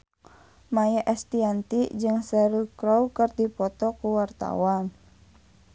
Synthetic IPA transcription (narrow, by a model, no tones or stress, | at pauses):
majaʔɛst̪iant̪id͡ʒɨŋsɛɾukɾɔukɨrdipɔt̪ɔkuwart̪a̰wan